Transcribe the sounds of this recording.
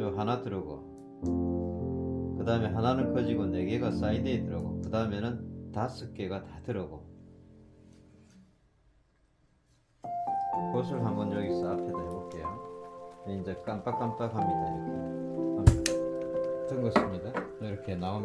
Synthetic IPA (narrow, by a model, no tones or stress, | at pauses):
oɦanatɯɾɯɡo̰ | kɯdaɯmeɦananɯnkʰʌd͡ʑiɡone̞ɡe̞ɡas͈aidetɯɾʌɡo̰kɯdaɯmenɯntas͈ʰɯk͈e̞ɡatatɯɾʌɡo | kosʰɯɭɦambʌnʌɡis͈aapʰedaɦaɡok͈ejo | ind͡ʑek͈amp͈ak͈amp͈akʰamid̪aɾk͈e | tɯnɡʌsɯmɲidaiɾʌkʰenaom